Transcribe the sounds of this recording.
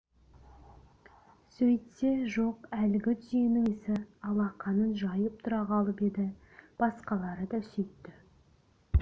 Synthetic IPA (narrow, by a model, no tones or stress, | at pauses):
sɵjt̪se̞ʒo̞qælɪɡʲɪt̪ʰʏzijenɪŋɪsɪɑlˠɑqʰɑnənʒɑjəp̚t̪ʰʊɾɑʁɑlˠəpe̞d̪ɪ | b̥ɑsqɑlˠɑɾəd̪ɑsɵjt̪ːɪ